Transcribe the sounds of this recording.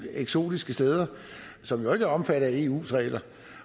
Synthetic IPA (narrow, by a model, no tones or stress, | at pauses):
eɡ̥so̝̰ːd̥isɡ̥əsd̥eːð̞ˠɐ | sɒ̽mjo̝e̝ɡ̥ɒ̽mfæɾɐe̝̰ːṵːsʁɛ̰ːlɐ